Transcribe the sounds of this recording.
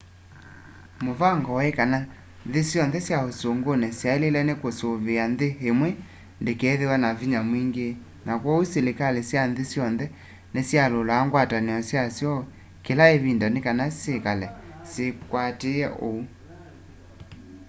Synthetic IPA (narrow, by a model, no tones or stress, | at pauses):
movaŋɡɔekana | ðesjɔnðɛsjaosoŋɡonɛsjaelelɛnekosoβeanðeɦemwe | ndekɛðewanaviɲamwiŋɡe | nakwɔuselekalesjanðesjɔnðɛ | nesjalolaːŋɡwataneɔsjasjɔ | kelaeβindanekanasekalɛ | sekwateɛʔou